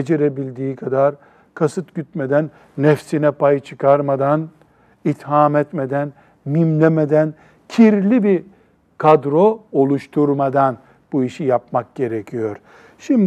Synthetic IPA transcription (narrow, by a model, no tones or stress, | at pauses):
ed͡ʒeɾebilʲd̪iːkʰad̪aɾ | kʰasɯt̪ɟyt̪̚med̪ænː | ɛfsinɛpʰajɯt͡ʃʰɯkʰaɾmad̪an | it̪haːmɛt̪med̪æn | mimlʲemed̪æn | cʰiɾlʲibi | kʰad̪ɾoolˠuʃt̪ʰuɾmad̪an | b̥uiʃijap̚mak̚ɟe̞ɾecʰijo̞ɾ̥ | ʃimd̪